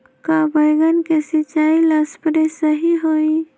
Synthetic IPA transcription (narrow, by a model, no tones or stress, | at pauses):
kaːbəjɡənkesɪt͡ʃaːilaspɾesəɦiɦoːi